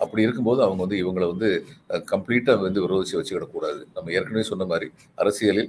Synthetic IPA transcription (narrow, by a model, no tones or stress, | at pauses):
ɐpːɐɽiɪɾɯkːɯmpoːðɯɐʋɐŋɡɐʋɐnd̪ɯɪʋɐŋɡɐɭʋɐnd̪ɯkɐmpɭiːʈːaːʋɾɐnd̪ɯʋɪɾoːðɪt͡ʃːiʋɐt͡ʃːɯʋɪɽɐkːuːɽaːðɯnɐmːɐeːɾkɐɳɐʋeːsɔnːɐmaːd̪ɾi | ɐ̰ɾɐsɪjɐlɪl